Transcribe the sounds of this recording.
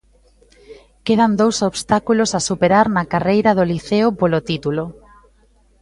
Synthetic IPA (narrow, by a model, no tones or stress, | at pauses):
keð̞and̪owsoβst̪akulosasupeɾaɾnɐkarejɾað̞oliθeopolot̪it̪ulo